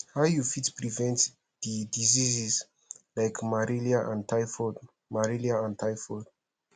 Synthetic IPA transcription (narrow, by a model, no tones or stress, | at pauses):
hajufitpɹivɛ̃nt | didizizis | lajkmaɹiliaʔã̰ntajfɔd | maɹiliaãntʰajfɔd